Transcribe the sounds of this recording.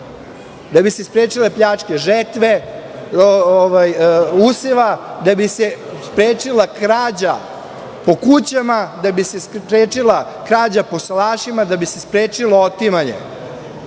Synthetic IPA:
d̪abisespɾeːt͡ʃile̞pʎaːt͡ʃkeʒet̪ʋe̞ooʋajuseʋad̪abise | spɾeːt͡ʃilˠakɾaːd͡ʑa | po̞kut͡ɕamad̪abisepɾeːt͡ʃila | kɾaːd͡ʑapo̞slaːʃimad̪abise̞spɾeːt͡ʃiloot̪imaɲḛ

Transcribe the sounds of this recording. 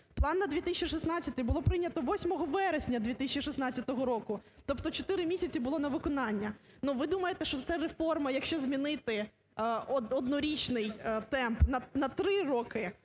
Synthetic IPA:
plˠɑnːɐd̪ʲʋʲit̪isʲt͡ʃʲiʂisnɑtt͡sʲɐt̪ɪjbʊlˠɔpɾɪnʲːɐt̪ɔʋɔsʲmɔɦɔʋɛɾesʲnʲɐd̪ʋʲit̪ɪsʲt͡ʃʲiʂɪsnɑt͡sʲːɐt̪ɔɦɔɾɔkʊt̪ɔpt̪ɔt͡ʃɔt̪ɪɾɪmʲisʲɐt͡sʲibʊlˠɔnɐʋɪkɔnɑnʲːɐ | nuʋɪd̪umɐjet̪ɛʃt͡ʃɔt̪sɛɾefɔrmɐjɐkʃt͡ʃɔzʲmʲinɪt̪ɪ | ɔɔd̪nɔɾʲit͡ʃnɪjt̪ɛmpnɐnɐt̪ɾɪɾɔkɪ

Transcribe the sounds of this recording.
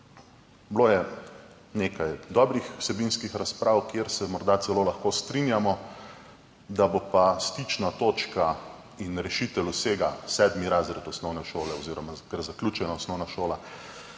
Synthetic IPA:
bloːjɛ | neːkajd̪ɔbɾixw̥sɛbinskixɾaspɾʔawkjeɾsɛmɔɾd̪at̪sɛloːlaxkost̪ɾinjamɔ | d̪abopast̪it͡ʃnat̪oːt͡ʃka | inɾɛʃit̪ɛluseːɡasɛd̪miɾazɾɛt̪ɔsnɔwnɛʃoːlɛɔziːɾɔmakɛɾzaklʲut͡ʃɛnaɔsnɔwnaʃoːla

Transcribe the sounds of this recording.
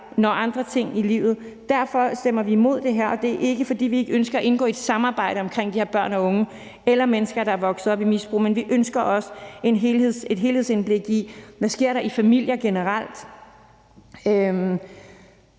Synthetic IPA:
nɒʔɑ̈nd̥ʁɐt͡sʰe̝ŋ̰ilḭːʊð̩ˠ | d̥æɐ̰fɒ̽sd̥em̰ɐʋiːmo̝ð̞̰ˠd̥e̝ɦeɐ̰ɒ̽d̥e̝ʔe̝ɡ̥əfɒ̽d̥ḭːʋie̝ɡ̥əønsɡ̥ɐæʔe̝nɡ̥ɔ̰ːed̥sɑ̈mɑ̈ːb̥ɑ̈ɪ̰ɾ̥əɒ̽mkʰʁeŋ̰d̥iheɐb̥ɶɐ̰nɒ̽ɔ̽ŋə | elɐmenəsɡ̥ɐɾ̥ɑ̈æɐʋɒ̽ɡ̥sð̩ˠɒ̽b̥imisb̥ʁṵːmenʋiʔønsɡ̥ɐʔɒ̽se̝nɦe̝lhe̝ð̰ˠse̝d̥ɦe̝ːlhe̝̰senb̥le̝ɡ̥iʋæsɡ̥e̝ɐ̰ɾɑ̈ifæmil̰jɐɡ̥e̝nəʁɑl̰d̥ | øm

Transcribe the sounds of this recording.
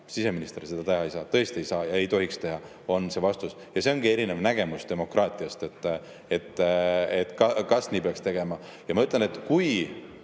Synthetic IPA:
sise̞minist̪e̞ɾse̞d̪̥ɑt̪ehɑejsɑːt̪ɤ̞e̞st̪ie̞jsɑːjɑe̞jt̪o̞hikst̪e̞ɦɑ | o̞nse̞vɑst̪us | jɑse̞o̞nɡ̥ie̞ɾinevnæɡ̥e̞musd̪̥e̞mo̞krʔɑːt̪ˑiɑst̪e̞t̪ˑː | e̞t̪ˑːet̪ːˑkɑkɑsniːpeɑkst̪e̞ɡ̥e̞mɑ | jɑmɑyt̪ˑlene̞t̪ːkuj

